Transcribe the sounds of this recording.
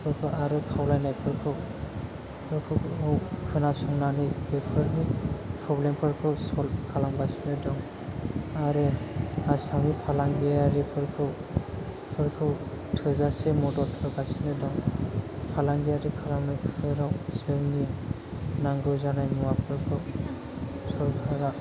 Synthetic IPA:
pʰɯɾkʰɯʔaɾɯkʰawlajnajpʰɯɾkʰɯw | pʰɯɾkʰɯwɯwkʰɯnasɔŋnanɯjɡepʰɯɾbipʰɾɔblempʰɯɾkʰɯwsɔlkʰalaŋbasinɯdɔŋ | aɾɯasaŋipʰalaŋɡeaɾipʰɯɾkʰɯw | pʰɯɾkʰɯw | tʰɯzasemɔdɔltʰɯɾbasinɯdɔŋpʰalaŋɡiaɾikʰalamnajpʰɯɾawsɯŋi | naŋɡɯzanajmuwapʰɯɾkʰɯw | sɔɾɡʰʱaɾa

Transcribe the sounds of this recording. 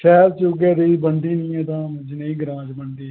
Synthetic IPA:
ʃɛːɾt͡ʃoɡɛːd̪iːbəɳɖiːnĩːɛːt̪ãːmʊd͡ʒneĩːɡəɾãːd͡ʒbəɳɖ̪iː

